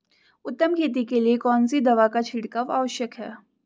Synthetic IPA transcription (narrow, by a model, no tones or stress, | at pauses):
ʊt̪ːəmkʰeːt̪̬ikeliekɔːnsid̪ɐʋakat͡ʃʰɪɽkaʋa̰ːʋəʃjəkɦɛː